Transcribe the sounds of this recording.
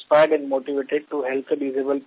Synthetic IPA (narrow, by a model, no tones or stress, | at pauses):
spaɪɖɛ̃ɳɖmoːʈiʋeːʈeɖ̚ʈuɦɛlt̪ʰʋiːzebəlp